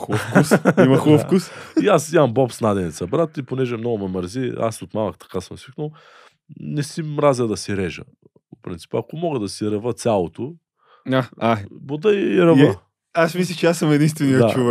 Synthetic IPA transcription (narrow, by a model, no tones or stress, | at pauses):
əfkusimɐxəfkusiasimɐmbɔpsnad̪ɛnɛt̪sɐbɾat̪iponɛʒɛmnɔɡʊmɛməɾzia̰sot̪mavɐkt̪ɐ̥kasəmsikno | nɛsimɾazəd̪ɐsiɾɛʒə̰ | popɾḭnt̪i̥pəɐkomɔɡəd̪ɐsiɾɐvət̪sʲjalˠot̪o | aabod̪əiɾɐvə | asmislʲət͡ʃɛasɐmɛd̪inst̪vɛniəd̪av